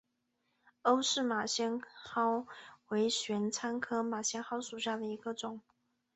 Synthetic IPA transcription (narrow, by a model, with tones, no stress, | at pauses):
o˥ʊʂɻ̩˥˩ma˨˩ɕjɛ˥nxɑ˥ʊwe˧˥ɪɕɥɛ˧˥nt͡sʰa˥nkʰɤ˥ma˨˩ɕjɛ˥nxɑ˥ʊʂu˨˩ɕja˥˩d̪ə˩i˧˥ɡə˧ʈ͡ʂʊ˨˩˦ŋ